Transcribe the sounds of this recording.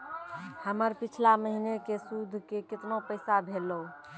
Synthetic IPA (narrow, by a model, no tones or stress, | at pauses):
həməɾpit͡ʃʰlaməɦinekesud̪ʱkekɪt̪nopəɪsabʱelou